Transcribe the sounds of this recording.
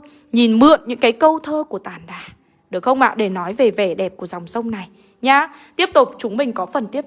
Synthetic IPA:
ɲi˨˩nmɨ̰˧˨ənɲɨ̰˧˥ŋkaː˨˦jkə˧wt̪ʰəː˧ku˧˩ət̪aː˧˩nɗaː˨˩ | ɗɨ˨˩ək̚xə˧wŋ͡mɓa̰ː˧˨ɗe˧˩nɔ˨˦jve˨˩ve˨˩ɗɛ˨˩p̚ku˧˩əza˨˩wŋ͡msə˧wŋ͡mna˨˩j | ɲaː˧t̪i˦˥əp̚t̪ʊ˨˩k͡p̚t͡ɕʊ˨˦ŋ͡mmï˨˩ŋ̟kɔ˨˦fə˨˩nt̪i˦˥əp̚

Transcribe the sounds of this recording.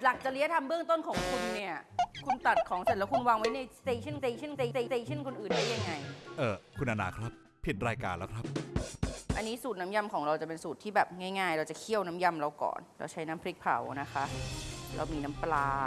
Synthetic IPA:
la˨˩k̚t͡ɕa˨˩li˦˥ɐt̪ʰa˧mbɯ˥˩əŋt̪o˥˩nkʰɔː˨˩˦ŋkʰu˧nːi˥˩ɐkʰu˧nt̪a˨˩t̪̚kʰɔː˩˦ŋse˨˩t̪lɛː˦˥wkʰu˧nwaː˧ŋwa˦˥jna˧jseː˧t͡ɕʰi˥˩nseː˧t͡ɕʰi˥˩nseː˧seː˧seː˧t͡ɕʰnkʰo˧nʔɯː˨˩ndaː˥˩jːa˧ŋːa˧jʔɤː˨˩kʰu˧nʔa˧naː˧˩kʰɾa˦˥pʰːi˨˩t̪̚ɾaː˧jkaː˧nlɛː˦˥wkʰɾa˦˥p̚ | ʔa˧nːiː˦˥suː˨˩t̪̚na˦˥mja˧mkʰɔː˩˦ŋɾa˧wt͡ɕa˨˩pe˧nsuː˨˩t̪ʰiː˥˩bɛː˨˩p̚ŋa˥˩jŋaː˥˧˩jɾa˧wt͡ɕa˨˩kʰi˥˩əwna˦˥mja˧mɾa˧wkɔ̰ː˨˩nɾa̰˧wt͡ɕʰa˦˥jna˦˥mpʰɾi˦˥k̚pʰa̰˩˦wna˦˥xʰa˦˥ʔɾa̰˧wmiː˧na˦˥mplaː˧

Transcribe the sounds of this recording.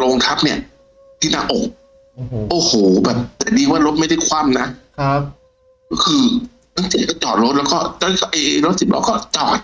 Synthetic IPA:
loː˧ŋt̪ʰa˦˥p̚ni˥˩ɐ | t̪ʰiː˥˩naː˦˧˩ʔoː˨˩k̚ | ʔoː˨˧˩hoː˨˩˦bɛː˨˩p̚t̪ɛː˨˩diː˧waː˥˩ɾo˦˥t̪̚ma˥˩jda˥˩jkʰwa˧˥˩mna˦˥˦ | kɔː˥˩kʰɯː˧ | na˧˥˩ŋsi˨˩˦kɔ˥˩t͡ɕɔː˨˩t̪̚lo˦t̪̚lɛː˦˥wkɔː˥˩t͡ɕɔː˧˩˦kʰa˧˩ʔeː˧ʔlo˦˥t̪̚si˨˩p̚lɛ̰ː˧˥wkɔː˥˩t͡ɕɔː˨˩t̪̚

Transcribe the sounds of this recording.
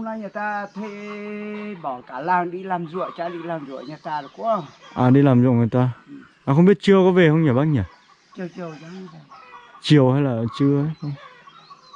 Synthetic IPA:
ŋ͡mna˧˦jɲaː˨˩jt̪aː˧t̪ʰe˧˨ | ɓɔ˨˩˦kaː˧˩laː˨˩ŋɗi˧laː˨˩mzɨ̰˧˨ə˨jt͡ɕaː˧˦ɗḭ˧laː˨˩mzṵ˧˨ə˨jɲaː˨˩jt̪aː˧lo˨˩kṵ˧˥ə˧˩ʔaː˨˩ɗi˧laː˨˩mzṵ˧˨ŋɨː˨˩jt̪aː˧˨ | ʔaː˨˩xə˧wŋ͡mɓi˦˥ət̚t͡ɕɨ˧əkɔ˨˦ve˨˩hə˧wŋ͡mɲaː˨˩ɓaː˦˥t̚ɲaː˨˩ | t͡ɕɨ˨˩ə˨˩t͡ɕi˨˩əwzɔ˧˦˧a˧˩ | t͡ɕi˨˩əwhaː˧jlaː˨˩t͡ɕɨ˧əə˨˦xə˧wŋ͡m

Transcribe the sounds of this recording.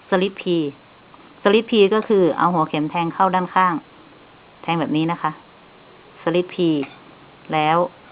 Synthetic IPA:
sa˧li˦˥t̪̚pʰiː˧ | sa˧li˦˥t̪̚pʰiː˧kɔː˥˩kʰɯː˧˩ʔa̰˧˦wɦu˩˦kʰe˨˩˦mt̪ʰɛː˧ŋkʰa˥˩wdaː˥˩˨nkʰaː˥˩ŋ | t̪ʰɛː˧ŋbɛː˨˩p̚niː˦˥na˦˥kʰa˦˥ʔ | sa˧li˧˦˥t̪̚pʰiː˧ | lɛː˦˥˨w

